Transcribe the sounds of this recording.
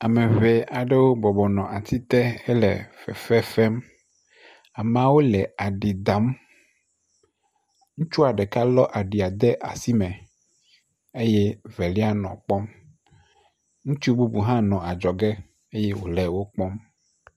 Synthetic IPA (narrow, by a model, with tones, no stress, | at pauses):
a˨me˨vɛ˨a˨ɖe˦wo˦bɔ˨bɔ˨nɔ̃˨ʔa˨t̪ʰi˦t̪ɛ˦ɛ˦lɛ̰˨fɛ̰˨fɛ˦fɛ˦m | a˨mã˨wo˦lɛ˨a˨ɖi˨d̪a˨˦m | ŋũ˦t͡ʃu˦a˨ɖɛ˨ka˦lɔ˦ʔa˨ɖi˨a˨d̪e˦ʔa̰˨si˦mɛ̃˨ | e˦jɛ˦vɛ˨li˦a˦nɔ̰̃˨k͡pɔ˦m | ŋũ˦t͡ʃu˦bu˦bu˨ɦã˦nɔ̃˨a˨d͡ʒɔ˨ɡɛ˦ | e˦jɛ˦wo˨lɛ˨wo˦k͡pɔ˦m